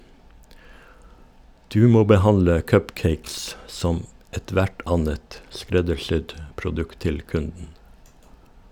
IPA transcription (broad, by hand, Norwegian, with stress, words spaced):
ˈdʉː ˈmoː bəˈhɑnlə ˈkœpˌkeɪks ˈsɔm ɛˈtʋæʈ ˈɑnət ˈskɾɛdəɾˌsʏd pɾʊˈdʉkt ˈtɪl ˈkʉndn̩